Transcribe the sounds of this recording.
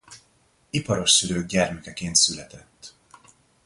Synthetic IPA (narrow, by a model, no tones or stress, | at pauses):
ipɒɾo̞ʃsyɾøːɡ̚ɟɛrmɛkɛkeːnt̪sylɛt̪ɛt̪ː